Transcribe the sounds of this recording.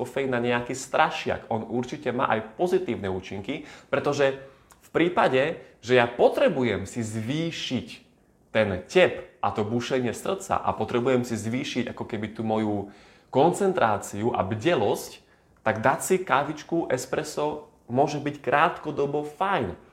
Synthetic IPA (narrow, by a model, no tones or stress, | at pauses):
ɔfɛjnaɲɛakist̪ɾaʃɪa̰kʔɔnuɾt͡ʃicɛma̰ːʔajpɔzit̪iːʊnɛuːt͡ʃiŋkipɾɛt̪ɔʒɛ | fpɾiːpaɟɛ | ʒɛjapɔt̪ɾɛbujɛmsizʋiːʃic | t̪ɛncɛpʔat̪ɔbuʃɛɲɪɛsr̩t͡sa̰ʔa̰pɔt̪ɾɛbujɛmsizʋiːʃiɟakɔkɛbit̪uːmɔju | kɔnt͡sɛnt̪ɾaːt͡siuʔa̰bɟɛlɔsc | t̪aɡd̪asikaʋit͡ʃkuʔɛspɾɛsɔ | mʊɔʒɛbickɾaːt̪kɔd̪ɔbɔfajn